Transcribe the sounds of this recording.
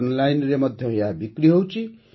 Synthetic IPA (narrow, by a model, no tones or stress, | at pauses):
nlajnremʌd̪ʱjʌɦojabikɾiɦʌwt͡si